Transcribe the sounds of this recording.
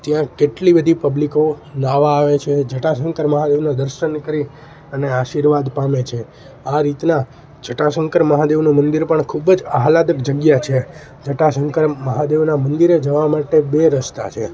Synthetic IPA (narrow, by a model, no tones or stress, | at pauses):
t̪jãkeʈlibəd̪ʱipəblikonaʋaːʋet͡ʃʰed͡ʒʱəʈasəŋkəɾməɦad̪eʋnad̪əɾʃənkəɾi | əneaʃiɾʋad̪pamet͡ʃʰe | aɾit̪na | d͡ʒʱəʈasə̃ŋkəɾməɦad̪eʋnumənd̪iɾpəɳkʰubd͡ʒaɦalad̪əkd͡ʒəɡjat͡ʃʰe | d͡ʒʱəʈasəŋkəɾməɦad̪eʋnamənd̪iɾed͡ʒəʋamaʈebeɾəst̪a̰t͡ʃʰe